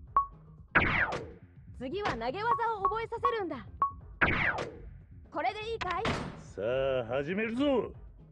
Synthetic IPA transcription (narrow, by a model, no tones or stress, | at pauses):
t͡sɨɡʲiβanaɡe̞βazaoːbo̞e̞sase̞ɾɯ̟̃nd̪a | ko̞ɾe̞d̪e̞iːkaisaɦaʑimeɾɯ̟zo